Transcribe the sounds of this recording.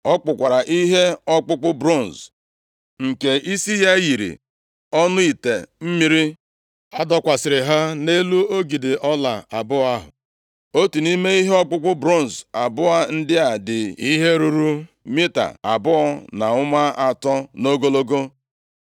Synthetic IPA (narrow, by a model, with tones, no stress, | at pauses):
ɔ˦k͡pʊ˨kʷa˨ɾa˨ʔi˦ɦe˦ɔ˦k͡pʊ˦k͡pʊ˦bɾo˦˨n̩˨z | ŋ̩˨ke˨ʔi˦si˦ja˦ɣi˨ɾḭ˨ | ɔ˦nʊ˦i˨te˨m̩˦mi˦ɾi˦ | a˦dɔ˦kʷa˨sɪ˨ɾɪ˨ɦa˦ne˦lu˦o˦ɡi˨dɪ˨ɔ˦la˨a˨bʊ˦a˦ɦʊ̰˨ | o˦tu˨ni˦me˦i˦ɦe˦ɔ˦k͡pʊ˦k͡pʊ˦bɾo˦n˨za˨bʊ˦a˦n̩˦dɪ˦a˨dɪ˨i˦ɦe˦ɾu˨ɾu˦ | mi˦ta̰˨a̰˨bʊ˦ɔ˦na˨ʊ˦ma˦a˨tɔ˦no˦ɡo˦lo˦ɡo˦